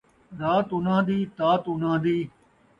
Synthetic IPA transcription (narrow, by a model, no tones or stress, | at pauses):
ɾaːt̪ʊnãːd̪iːt̪aːt̪ʊnãːd̪iː